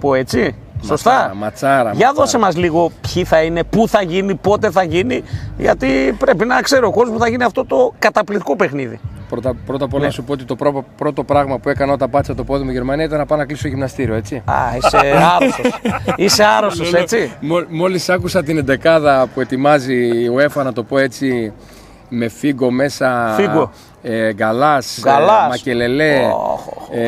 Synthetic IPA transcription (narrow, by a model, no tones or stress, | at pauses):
po̞e̞t͡si | so̞st̪ɐmɐt͡sɐɾɐ̰ʝɐðo̞semɐzliɣo̞pçiθɐine̞puθɐʝinipo̞t̪e̞θɐʝiniʝɐ̰t̪ipɾe̞pinɐkse̞ɾooko̞zos̬pu̥θɐʝiniɐft̪o̞t̪o̞kɐt̪ɐplit̪i̥ko̞pe̞xniðḭpɾot̪ɐpɾo̞t̪ɐpolɐnɐsupoot̪it̪o̞pɾopɾo̞t̪o̞pɾɐɣmɐpue̞kɐnot̪ɐpɐt̪sɐt̪opo̞ðimoiʝe̞ɾmɐniɐit̪ɐnɐpɐnɐklisoʝimnɐst̪iɾio̞et͡siɐ̰iseɐɾososiseɐɾost̪ose̞t͡simomo̞lisɐkusɐt̪ine̞nd̪e̞kɐðɐpue̞t̪imɐzioe̞fɐnɐt̪o̞po̞e̞t͡si | me̞fiɡo̞me̞sɐfio | eɡɐlɐsɡɐlɐmɐcele̞le̞